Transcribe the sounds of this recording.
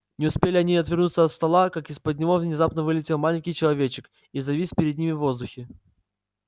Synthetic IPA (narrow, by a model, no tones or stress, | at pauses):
nʲɪʊspʲelʲɪɐnʲiɐt̪vʲɪrnut̪səɐt̪st̪ɐlˠakakɪsʲpədʲnʲɪvovnʲɪzapnəvɨlʲɪtʲɪlˠmalʲɪnʲkʲɪjt͡ɕɪlˠɐvʲet͡ɕɪk | izɐvʲisʲpʲɪɾʲɪd̪nʲimʲɪvːo̞zd̪ʊxʲɪ